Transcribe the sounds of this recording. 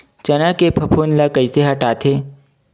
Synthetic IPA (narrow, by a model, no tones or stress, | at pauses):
t͡ʃɐnakepʰɐpʰoːnlakəɪseɦəʈaːt̪ʰeː